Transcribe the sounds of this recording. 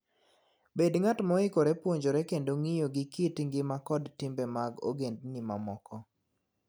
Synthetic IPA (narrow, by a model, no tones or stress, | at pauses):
bedŋatmɔɪkoɾepwoɲd͡ʒoɾɛkendoŋijoɡɪkitŋɡɪmakɔdtɪmbemaɡo̰ɡendnima̰mɔkɔ